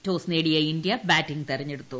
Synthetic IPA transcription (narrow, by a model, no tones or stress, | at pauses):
toːsneːɽijɐindijɐbaːtːiŋɡt̪erɐɲːeɽut̪ːu